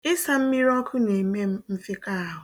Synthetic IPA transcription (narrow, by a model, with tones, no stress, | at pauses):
ɪ˦sa˨m̩˦mi˦ɾɔ˦kʰʊ˦ne˨me˦m̩˦m̩˦fi˦ka˦a˦ɦʊ˨